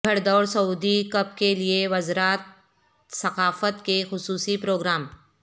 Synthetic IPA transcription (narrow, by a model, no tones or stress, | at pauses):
əɽd̪ɔːɾsɐuːd̪ikɐpkelieʋɐzɾaːt̪̚ | sɐqaːfət̪kexʊsuːsipɾoːɡɾaːm